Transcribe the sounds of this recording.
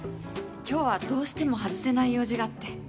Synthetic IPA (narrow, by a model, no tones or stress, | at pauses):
kʲo̞ːβad̪o̞ːɕi̥t̪e̞mo̞ɦat͡sɨ̥se̞naijo̞ːʑiɡaːt̪ːe̞